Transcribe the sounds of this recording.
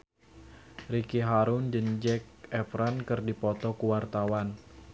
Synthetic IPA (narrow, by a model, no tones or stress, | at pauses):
rikiɦaɾʊnd͡ʒənd͡ʒɛk̚ɛpɾankɨrdipɔt̪ɔkuwart̪awan